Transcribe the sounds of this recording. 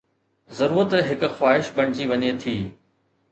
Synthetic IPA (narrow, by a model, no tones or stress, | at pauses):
zɐɾuːɾət̪ɦɪkʊ̆xwaːɦɪʃbɐɽ̃ɪd͡ʑiʋɐɲet̪ʰiː